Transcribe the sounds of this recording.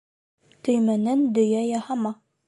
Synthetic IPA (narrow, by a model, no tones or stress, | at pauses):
t̪ɵ̆jmænænd̪ɵ̆jæjɑhɑmɑ